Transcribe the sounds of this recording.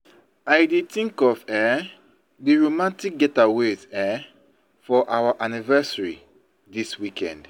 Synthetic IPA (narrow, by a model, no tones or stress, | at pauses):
aɪdetĩŋkɔvɛ | diɹomãntik̚ɡɛtawezɛ | fɔʔawaʔanivɛsaɹḭ | diswikʰɛ̰̃nd̥